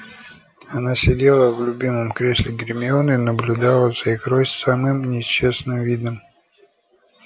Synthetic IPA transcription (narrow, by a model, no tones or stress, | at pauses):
ɐnasʲɪdʲe̞lˠəvlʲʊbʲimɨmkɾʲesʲlʲɪɡʲɾʲmʲɪonɨinəblʲʊd̪alˠəz̥ɐixrosʲtʲsamɨmnʲɪɕːe̞snɨmvʲid̪nəm